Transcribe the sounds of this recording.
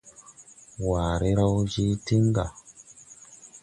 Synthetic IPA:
waː˨ɾi˦ɾa˦wd͡ʒi˦ti˦ŋɡa˨

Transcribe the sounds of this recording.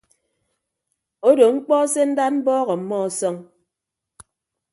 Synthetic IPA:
o˦do˨ŋ͡m̩˦k͡pɔ˦se˦n̩˦da˦t̚m̩˦bɔː˦ɣɔ˨m̩˨mːɔ˦˨sɔ˦ŋ

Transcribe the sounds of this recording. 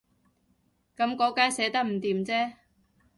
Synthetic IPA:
kɐ˨˥mkɔː˨˥kaː˥nsɛː˨˥t̪ɐ˥k̚m̩˨˩t̪iː˨mt͡sɛː˥

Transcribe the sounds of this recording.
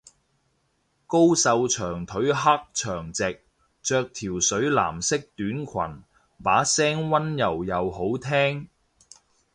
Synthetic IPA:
ko˥wsɐ˧wt͡ʃʰœː˨˩ŋt̪ʰɵ˨˥ɥɦa˥k̚t͡ʃʰœː˨˩ŋt͡sɪ˨k̚ | t͡ʃœː˧k̚t̪ʰiː˨˩wsɵ˨˥ɥla̰ː˨˩msɪ˥k̚t̪yː˨˥nkʰɐ̰˨˩n | paː˨˥sɛː˥ŋwɐ˥njɐ˨˩wjɐ˨who˨˥wt̪ʰɛː˥ŋ

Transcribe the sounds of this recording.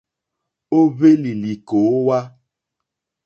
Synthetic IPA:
o˦be˦li˨li˨ko˨o˦wa˦

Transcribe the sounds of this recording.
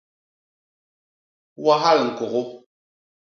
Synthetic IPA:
wa˦ɦa˦˨lŋ̩˨ko˨ɣʊ˦

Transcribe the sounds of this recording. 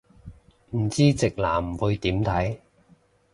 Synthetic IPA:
m̩˨˩t͡siː˥t͡sɪ˨k̚laː˨˩m̩˨˩wu˧jt̪iː˨˥mt̪ʰɐ˨˥j

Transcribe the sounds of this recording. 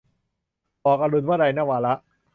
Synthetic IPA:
ʔɔː˨˩k̚a˧lu˧nwaː˥˩da˧jnaː˥˩waː˧la˦˥ʔ

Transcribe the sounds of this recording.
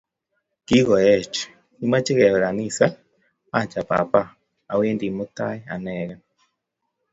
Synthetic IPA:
ki˦ɣɔ˨jɛ˦˨t͡ʃɛ̥˨ | i˦ma˦t͡ʃi˦ɣɛ˨βɛ˨ɾa˨ni˦˨sa˦ | a˦˨t͡ʃa˨pa̰˨pa˦ | a˨we˦ndi˨mo˦ta˦jɛ˦a˨nɛɣɛ˦

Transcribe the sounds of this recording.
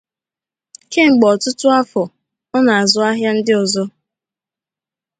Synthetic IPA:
ke˦ŋ͡m̩˨ɡ͡bɔ˨tʊ˦tʊ˦a˦fɔ˨ | ɔ˦na˨a˨zʊ˨a˦ɦja˦n̩˦dɪ˦ɔ˨zɔ˦

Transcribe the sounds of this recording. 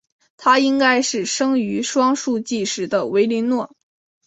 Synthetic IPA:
t̪ʰa˥i˥ŋka˥ɪʂɻ̩˥˩ʂɤ˥ŋy˧˥ʂwɑ˥ŋʂu˥˧t͡ɕi˥˩ʂɻ̩˧˥d̪ə˧we˧˥ɪli˧˥nnwɔ˥˩

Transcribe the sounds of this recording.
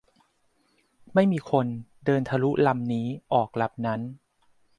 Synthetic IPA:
ma˥˩jmiː˧kʰo˧ndɤː˧nt̪ʰa˧lu˦˥ʔla˧mniː˦˥ʔɔː˨˩k̚la˨˩p̚na˦˥n

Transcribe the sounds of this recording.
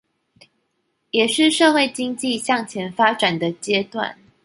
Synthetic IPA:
jɛ˨˩ʂɻ̩˥˧ʂɤ˥˧xwe˥˩ɪt͡ɕi˥ŋt͡ɕi˥˧ɕjɑ˥˩ŋt͡ɕʰjɛ˧˥nfa˥ʈ͡ʂa˨˩nd̪ə˦t͡ɕjɛ˥t̪wa̰˥˨n

